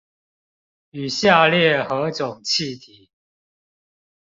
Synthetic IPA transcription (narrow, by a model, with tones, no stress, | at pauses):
y˨˩ɕja˥˨ljɛ˥˨xɤ˨˧˥ʈ͡ʂʊ˨˩ŋt͡ɕʰi˥˨t̪ʰi˨˦